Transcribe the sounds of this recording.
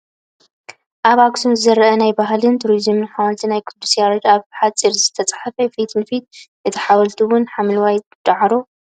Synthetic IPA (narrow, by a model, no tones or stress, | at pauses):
ʔaβaɡsunzɨzɐɾɐʔɐnajbaɦlɨnt̪ʰuɾizɨmɨnħawɐlt̪ʰinajkʰud̪usijaɾod͡ʒ̪aβħat͡sʼiɾzɨt̪ʰɐt͡sʼḁħafɐfit̪ʰɨnfit̪̚ʔɨt̪ʰiħawɐlt̪ʰiwʊnħamlwaj | d̪̥aʕɾo